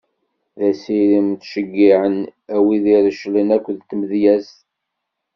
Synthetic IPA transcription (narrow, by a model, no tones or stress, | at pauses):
ðæsiɾimt̪ʃəɡːiʕənæwiðiɾəʃlinækʷːðt̪əmðjæs